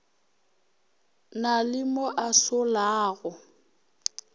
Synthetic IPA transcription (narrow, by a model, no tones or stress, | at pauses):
nalɪmoʔasʊlaːɣʊ